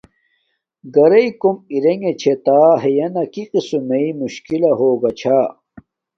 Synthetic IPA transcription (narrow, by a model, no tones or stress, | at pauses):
ɡɐɾɐikomiɾeŋɡet͡ɕʰet̪aːɦejɐnɐkiqisumeimuɕkilɐɦoːɡɐt͡ɕʰaː